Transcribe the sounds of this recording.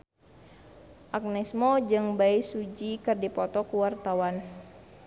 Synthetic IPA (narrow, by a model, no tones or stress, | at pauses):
ʔak̚nɛsmɔd͡ʒɨŋbaisud͡ʒikɨrdipɔt̪ɔkuwart̪awan